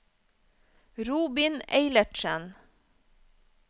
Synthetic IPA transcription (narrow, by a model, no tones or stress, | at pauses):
ɾuːbɪneɪləʈʃən